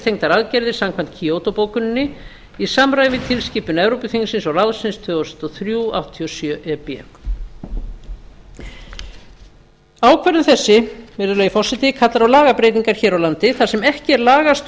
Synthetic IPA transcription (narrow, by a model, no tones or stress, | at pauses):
t̪ʰejŋt̪aɾaðcɛɾðɪɾ̥samkʰvan̥t̪̚cʰiowt̪opoːwkʏnnːɪ | isamɾajɪmɪt̪ʰɪlsciːpʏnɛvɾowpʏθiŋsɪnsɔlaðsɪnst̪ʰœːɔsɛ̥t̪ɔθɾjuːa̰wht̪ʰiɔsjœʔɛpjɛ̰k | aːwkʰvɛɾðʏmθɛsːɪmɪɾðʏɾlɛːjʏfɔr̥sɪt̪ɪkʰat̪laɾawlaːɣapɾejt̪iŋkaɾ̥çɛːɾawlant̪ɪθasɛmɛhcɪɛɾlaːɣast̪